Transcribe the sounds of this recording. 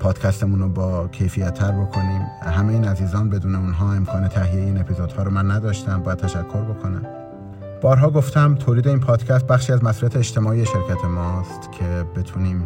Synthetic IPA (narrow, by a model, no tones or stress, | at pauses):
pʰɒːd̪̥cʰæst̪emuːnobɒːcʰe̞jfijæt̪ʰːæɾbo̞kʰo̞niːmɦæmejiːnæziːzɒːnbe̞d̪uːneunɦɒːe̞mkʰɒːne̞t̪ʰæɦijeeiːne̞pʰizod̪hɒːɾomænːæd̪ɒːʃt̪æmbɒːjæd̪̚t̪ʰæʃækʰːo̞ɾbo̞kʰo̞næm | b̥ɒːɾɦɒːɡo̞ft̪ʰæmt̪ʰoːliːd̪e̞iːnpʰɒːd̪̥cʰæst̪̚bæxʃiːæzmæsuɾiæt̪ʰeːt͡ʃt̪e̞mɒːijeʃe̞ɾcʰæt̪ʰe̞mɒːst̪cʰe̞be̞t̪ʰuːniːm